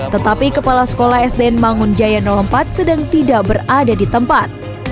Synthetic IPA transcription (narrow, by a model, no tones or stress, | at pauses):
t̪ːət̪apikəpalasə̥kolahɛsdeɛnmaŋʊnd͡ʒajanɔlɔmpat̪̚sədaŋt̪idaʔbəradadit̪əmpat̪̚